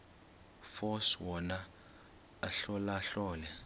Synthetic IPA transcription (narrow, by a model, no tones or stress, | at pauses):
fɔswɔna | aɬɔlaːɬɔːlɛ